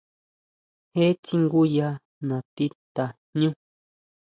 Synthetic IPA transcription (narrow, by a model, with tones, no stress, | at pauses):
he˦t͡ʃi˦ŋɡu˦ja˧ | nã˨t̪i˦t̪a˨ | ɲũ˦